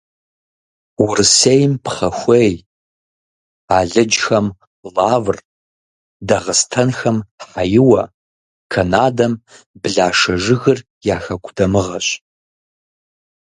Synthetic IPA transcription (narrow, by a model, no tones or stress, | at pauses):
wʊrɨsejmpχɐxʷej | aːɮɨd͡ʒxɐm | laːvr | dɐʁəstʰɐnxɐmħajɪwɐ | kʰɐnaːdɐm | bɨɮaːʂɐʒɨɣɨr | jaːxɐkʷʰʼdɐmɨʁɐɕ